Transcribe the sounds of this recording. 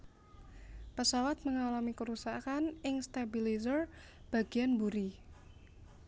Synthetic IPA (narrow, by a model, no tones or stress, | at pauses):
pəsawat̪̚məŋalamikəɾusakanɪŋst̪abilizər | b̥a̤ɡ̥ianbuɾi